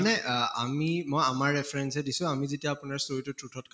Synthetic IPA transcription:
nɛa̰mimojamaɹːɛpʰɹɛnsɛdisʊ̃amizetijaːpʊnaɹsoɹitʊtɹutʰɔt̚kʰ

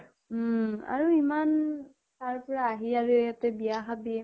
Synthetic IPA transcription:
a̰ɹuiman | taɹpɔɹaːɦiaɹujatɛbijaxabiɛ

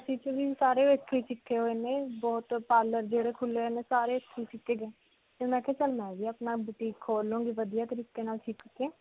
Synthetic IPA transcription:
əsĩːt͡ʃəʋiːsaːɾeːekʰːeːt͡ʃɪkʰːeːɦoːeːnẽːbɔːt̪paːləɾd͡ʒeːɽeːkʰʊleɦeːnẽːsaːɾeːəkʰːeːt͡ʃɪkːeːɡeː | t̪eːmɛ̃ːkʰɛːt͡ʃəlmɛ̃ːʋiːəpnaːbuʈiːkʰoːlũːɡiːʋəd̪ijaːt̪əɾiːkeːnaːlʈʰikkeː

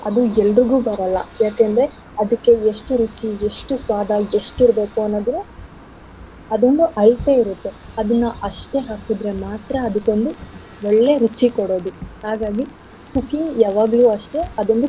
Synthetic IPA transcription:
ɐd̪uɛlːɾiɡuːbɐɾɐlːɐ̰jaːkend̪ɾe̞ | ɐd̪ɐkːe̞eʂʈuɾut͡ʃieʂʈusʋaːd̪ʱɐeʂʈiɾbe̞ːkuɐnːoːd̪ɾe | ɐd̪o̞nd̪uʔɐɭt̪e̞iɾut̪ːe̞ | ɐd̪ɐnːuʔɐʂʈe̞ɦaːkid̪ɾe̞maːt̪ɾɐːd̪uko̞nd̪u | ɔɭːe̞ɾut͡ʃikɔɽo̞ːd̪uhaːɡaːɡi | kukːiŋɡjaːʋaːɡɐluːɐʂʈe̞ɐd̪o̞nd̪u

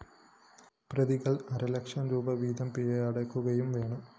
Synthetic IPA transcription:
prɐðiɣɐɭɐɾɐlɐkʂɐmɾuːbɐʋiːd̪ɐmpiɻɐɐɽɐkːuɣɐjumʋe̞ːɳɐ

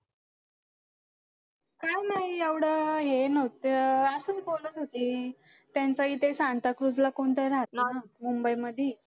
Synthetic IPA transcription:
kajnaɦijeʋɽəɦenəʋt̪əəsəːt͡sbold̪ət̪ɦot̪iː | t̪jant͡saɦiːt̪esãnt̪akɾud͡zlakoɳt̪əjɾat̪namumbəiməd̪ʱje

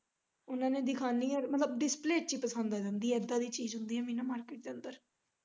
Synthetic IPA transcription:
ʊnãːnẽːd̪ɪkʰaːnĩːɔɾmət̪ləbɖɪspleːʈt͡ʃiːpəsə̃nd̪aːd͡ʒãːnd̪iːɛɛd̪ãːd̪iːt͡ʃiːzɦʊnd̪iːɦɛːmĩːnãːmaːɾkeːʈ̚d̪eːə̃nd̪əɾ

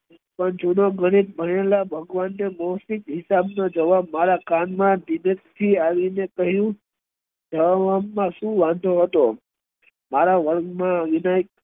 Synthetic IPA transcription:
pəɳd͡ʒunoɡəɽ̃it̪̚bʱəɽelabʱəɡʋanːemosikɦɪsabnod͡ʒəʋabmaɾakanmãd̪inekt̪ʰiaʋinekəɦjũ | d͡ʒəʋaʋamːãʃũʋãnd̪ʱoɦət̪o | maɾaʋəɾɡmãʋinaik

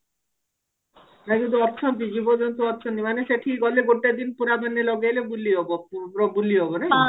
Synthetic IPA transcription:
nakĩnt̪̬uɔɾt͡ʃʰɔnt̪̬id͡ʑibod͡ʒont̪oɔɾt͡ʃʰɔnt̪̬imaneʃeʈʰiɔleɡoʈːad̪inpuɾabenːelɔɡelebuliɦɔbopɾobuliɦɔbona

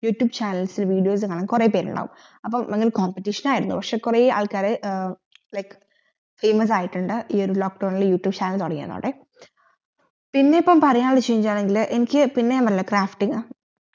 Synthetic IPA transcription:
juːʈjuːbt͡ɕaːnɐlsilʋiːɖijo̞ːs̬ɨkaːɳɐŋkurepeːɾṵɳɖa̰ːʋṵm | ɐpːɐmeŋɡilkoːmpeʈːiʂɐnaːjiɾunːṵpɐkʂe̞kureːa̰ːɭkaːɾe | lɐjkɨ̥ | feːmɐs̬aːjiʈːuɳɖɨʔiːo̞ɾuloːk̚ɖoːɳiljuːʈjuːbt͡ɕaːnɐlt̪oɽɐŋːijɐ̰nðo̰ːɽe | pinːe̞ipːɐmpɐrijaːɽt͡ɕeːɲit͡ɕːaːɭeŋɡilʔenikʲːɨpinːeamɐlːɐkraːfʈːiŋ

